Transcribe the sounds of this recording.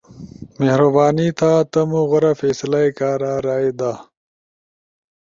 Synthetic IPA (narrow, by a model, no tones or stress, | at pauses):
mehɾɐbaːnit̪ʰaːt̪ɐmuɣoɾɐfeːslajkaːɾaːɾaːed̪aː